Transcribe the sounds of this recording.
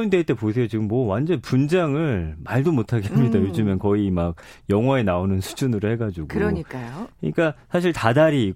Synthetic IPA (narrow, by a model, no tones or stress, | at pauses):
ndeɭt͈e̞posʰe̞jot͡ɕiɡɯmːʌwand͡ʑʌnpund͡ʑaŋɯɭmaɭdomotʰaɡehamɲidajod͡ʑumenkʌimaɡ̚ | jʌŋɦwaenaonɯnsʰu̥d͡ʑunɯɾohe̞ɡad͡ʑuɡoɾɲik͈akɯɲik͈asʰaɕ̬ʰiɭtadaɾiː